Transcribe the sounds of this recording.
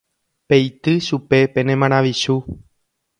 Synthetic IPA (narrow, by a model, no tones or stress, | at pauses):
pe̞jt̪ɨʃupe̞pẽ̞nẽmãɾ̃ãʋiʃu